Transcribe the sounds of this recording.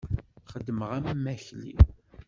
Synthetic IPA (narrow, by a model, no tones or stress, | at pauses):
χəd̪ːməʁæmmːæçlḭ